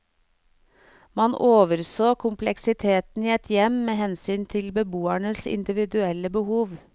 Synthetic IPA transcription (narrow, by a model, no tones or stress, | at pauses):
mɑnʔoːʋəɾsoːkʰʊmplɛksɪt̪ʰeːt̪n̩iːɛt̪ʰjɛmmeːhɛnsyːnt̪ʰɪlbəbuːæɳəsɪ̰nd̪ɪʋɪd̪ʉɛləbəhuːʋ